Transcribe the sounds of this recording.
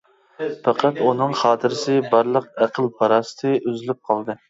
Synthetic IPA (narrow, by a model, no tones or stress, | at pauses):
pɑqʰɑt̪unɨŋχɑːt̪ʰɨɾɪsɪbɑɾlˠəqæqʰəlˠpʰɑɾɑːsɨ̥t̪ʰɨʔøzlyp̚qʰɑlˠd̪ɨ